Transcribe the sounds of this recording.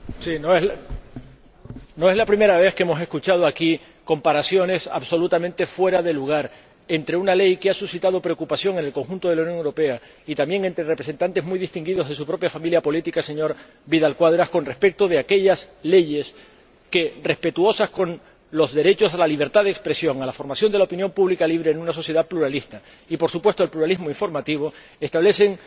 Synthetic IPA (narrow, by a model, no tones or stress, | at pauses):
sinoe | no̞e̞zlapɾime̞ɾaβ̞e̞hkeemo̞se̞skut͡ʃað̞oaki | ko̞mpaɾasjo̞ne̞sa̰βso̞lut̪amẽnt̪e̞fwe̞ɾaðe̞luɣ̞aɾ | e̞nt̪ɾe̞unale̞jkeasusit̪aðo̞pɾe̞okupasjo̞ŋe̞ne̞lko̞ŋxũnt̪o̞ð̞e̞lauwnjoŋuwɾo̞pe̞a | it̪ambje̞ŋe̞nt̪ɾerepɾse̞nt̪ant̪e̞zmujðist̪iŋɡiðo̞zðe̞supɾo̞pjafamiljapo̞lit̪ikase̞ɲo̞ɾ | biðalkwaðɾasko̞nre̞hpe̞k̚t̪oð̞eake̞ʎasle̞ʝe̞s | ke̞re̞hpe̞t̪uo̞sasko̞n | lo̞zðe̞ɾe̞t͡ʃo̞salaliβ̞e̞ɾt̪aðekspɾe̞sjo̞ŋalafo̞ɾmasjo̞nd̪eaopinjo̞mpuβlikaliβ̞ɾe̞ːnũnaso̞sje̞ðapluɾalist̪a | ipo̞ɾsupwe̞st̪o̞elpluɾalizmoiɱfo̞ɾmat̪iβ̞o̞ | e̞st̪aβle̞se̞ŋ